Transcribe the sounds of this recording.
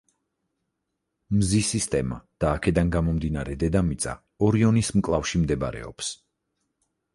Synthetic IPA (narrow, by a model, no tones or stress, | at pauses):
mzisist̪ʼɛma̰d̪̥aːkʰɛd̪anɡamɔmd̪inaɾɛd̪ɛd̪amit̪sʼa̰ | ɔɾiɔnismkʼlˠafʃimd̪ɛbaɾɛ̰ɔ̰ps